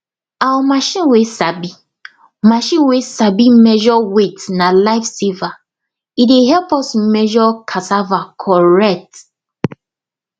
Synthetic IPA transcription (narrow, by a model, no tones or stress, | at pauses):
awɔmaʃĩnwesabi | maʃĩnwesabimɛʒɔwetnalaɪfsiva | ideɦɛlpɔsmɛʒɔkʰasavakʰɔɹɛt